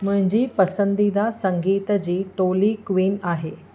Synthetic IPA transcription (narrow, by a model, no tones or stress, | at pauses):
mʊɦɪ̃ɲd͡ʑiːpɐsənd̪id̪asə̃ŋɡiːt̪d͡ʑiːʈoːlikʋiːnaːɦeː